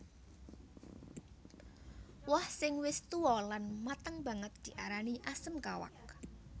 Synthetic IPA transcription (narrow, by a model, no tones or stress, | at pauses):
wɔhsɪŋwɪst̪uɔlanmat̪əŋba̤ŋət̪̚d̪̥i̤ʔaɾaniʔasəmkawa̰k̚